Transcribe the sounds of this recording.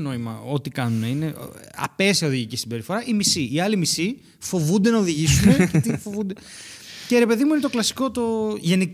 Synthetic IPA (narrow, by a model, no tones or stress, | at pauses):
no̞imɐ̰o̞t̪ikɐnune̞ine̞ɐ̰pe̞siɐo̞ðiʝicisibe̞ɾifo̞ɾɐʔimisiiɐlimisi | fo̞vund̪e̞nɐoðiʝisunecet̪ifo̞vund̪ece̞ɾe̞pe̞ðimuinet̪o̞klɐsi̥ko̞t̪o̞ʝe̞ni